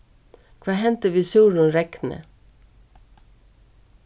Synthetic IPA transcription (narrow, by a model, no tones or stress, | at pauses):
kʰʋɑːhɛnt̪əʋiːsuːɾʊnɾɛknə̰